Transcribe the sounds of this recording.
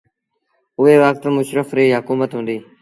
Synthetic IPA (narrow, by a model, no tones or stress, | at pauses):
ʊɦeːʋaːk̚t̪əmʊʃɾəfɾeːɦʊkuːmət̪ɦũːnd̪iː